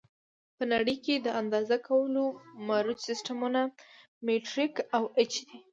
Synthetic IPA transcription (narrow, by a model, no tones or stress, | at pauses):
pənaɽəjked̪əand̪ɑzakʰawəlomaɾut̪sɪsʈamuna | meʈɾɪkawɪt͡ʃd̪i